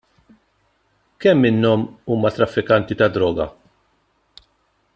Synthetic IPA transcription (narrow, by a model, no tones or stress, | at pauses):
kɛmːɪnːɔmuːmɐt̪ɾɐfːɪkɐnt̪it̪ɐd̪ɾɔːɡɐ̰